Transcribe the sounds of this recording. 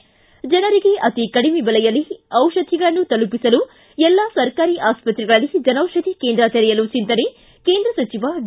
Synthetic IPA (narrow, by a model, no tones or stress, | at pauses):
d͡ʒɐnɐɾiɡe̞ʔɐt̪ikɐɽimebɐlɛjɐlːiɐwʃɐd̪ʱːiɡɐɭɐnːut̪ɐlupisɐlu | ɛlːasɐɾkaːɾiːʔaːspɐt̪ɾɛɡɐɭɐlːid͡ʒɐnɐwʃɐd̪ʱikeːnd̪ɾɐt̪ɐɾɛjɐlut͡ʃint̪ɐne | ke̞ːnd̪ɾɐsɐt͡ʃiʋaɖ